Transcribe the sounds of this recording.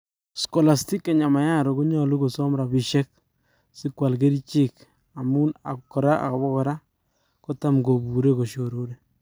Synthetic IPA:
sko˨la˨sti˦kːa˨ɲa˨ma˨ja˦ɾo˨ku˦ɲɔ˦lu˦ko˨sɔ˦mɾa˨bi˨ʃɛ˦k̚ | sɪ˦kwa˨lɡe˦ɾi˦t͡ʃɪ˦k | a˨mu˦na̰˨kːɔ˨ɾa˦ʔa̰˨ka˨bɔ˦kɔ˨ɾa˦ | kɔ˦ta˦mɡo˨bu˨ɾe˦ko˨ʃo˨ɾo˦de˨

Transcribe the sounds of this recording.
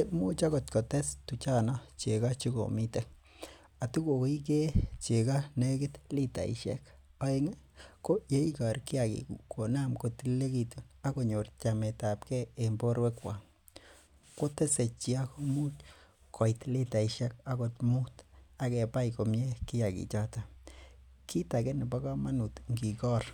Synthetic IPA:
e˦mu˦t͡ʃa˦ɡo˨t̪ko˨t̪e˦st̪u˨t͡ʃa˦na˦t͡ʃe˨ɡa˦t͡ʃi˦ɡo̰˨mi˦t̪e˦ | a˨t̪u˦ɡo˨ki˦k̬e˦t͡ʃe˨ɡa˦ne˦ɡe˦t̪li˦t̪a̰˨ḭ˨ʃḛ˦kpa˦jŋe˦ | ko˦je˦i˦ka˨ɾki˦a˨ɡḭ˨ku˨ko˨na˦mko˧t̪i˦le˦ɡi˧t̪u˨na˦ko˨ɲo˨rt͡ʃa˨me˨ta˨pkɛː˦˨mbo˦ɾwe˦kwa˨ | ko˦te˦se˨t͡ʃi˨a˦ko˦mu˦t | kʰɔ˨itli˦ta˨iʃɛ˦k̚a˦ko˨tmu˦ta˨kɛ˨pa˦jko˨mje˦ki˦ja˨kḭ˨t͡ʃa˦ta˨ | ki˦ta˨ke˦nɪ˨ba˦ka˦ma˦nu˨tŋɡi˨kɔ˦r

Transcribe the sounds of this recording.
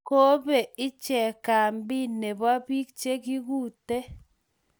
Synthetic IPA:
ko˦be˨ɪ˦t͡ʃɛ˨ka˨mbi˦ne˨ba˦bi˦k̚t͡ʃe˦ki˦ɡu˦˨te˦

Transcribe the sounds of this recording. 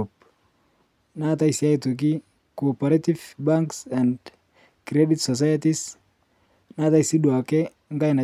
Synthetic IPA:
up | na˦t̪a˦isi˨a˦i˨to˨k̬i˦ | koː˨pa˨ɾe˦tifba˦ŋksɛ˨nd | kɾɛ˦di˦t̪sɔs̬a˦jatis | na˦t̪a˦i˨si˦du˨a˨ke˦ | ŋɡa˦jna˨

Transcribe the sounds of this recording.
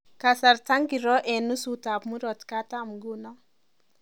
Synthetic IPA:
ka˨sa˨rta˦ŋɡi˨ɾɔ˦ʔɛ˨nːu˦su˨ta˨pmu˦ɾɔ˨tkata˦mɡu˦nɔ˦

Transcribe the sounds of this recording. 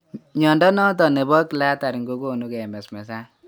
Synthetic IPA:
ɲɔ˨ndɔ˦nɔ˦tɔ˨ne˨bɔ˦kla˦ta˨ɾi˨ŋɡo˦ko˦˨nu˦kɛ˨mɛ˨smɛ˨sa˦

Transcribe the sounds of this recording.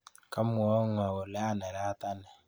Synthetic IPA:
ka˦m˨ɔ˦ŋ˨a˨wo˨lɛ˦a˦nɛ˨ɾa˦ta˦nɛ˨

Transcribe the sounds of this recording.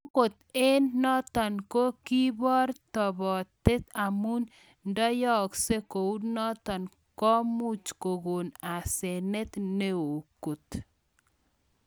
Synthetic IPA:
ko˨t̪e˦nːɔ˦t̪ɔ˨nko˦ki˦bɔ˦ɾt̪ɔ˨bɔ˨t̪e˦t̪a˨mu˦n | ndɔ˦jɔ˦kse˦ko˨u˦ɾnɔ˦t̪ɔ˨n | kɔ˦mu˦t͡ʃko˨ɡo˨na˨se˨ne˦t̪ne˦o˨ko˨t̪

